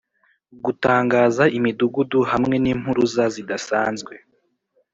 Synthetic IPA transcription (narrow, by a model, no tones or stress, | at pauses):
ɡutaːŋɡaːzaʔimiduɡuduhamŋe̞niːm̥huɾuzazidasaːnzɡwe̞